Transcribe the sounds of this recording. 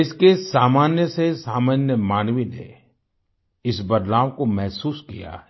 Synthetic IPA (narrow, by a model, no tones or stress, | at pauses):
ɪskesaːmaːnjəsesaːmaːnjəmaːnʋinḛ | ɪsbɐd̪laːʋkomɛɦsuːskḭja̰